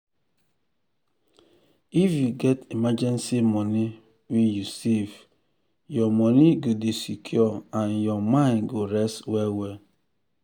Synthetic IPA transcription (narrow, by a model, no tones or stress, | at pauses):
ifjuɡɛtimad͡ʒɛ̃nsimɔni | wijusiv | jɔmɔniɡodesikʰjɔãnjɔmãɪ̃nɡoɾɛstwɛwɛ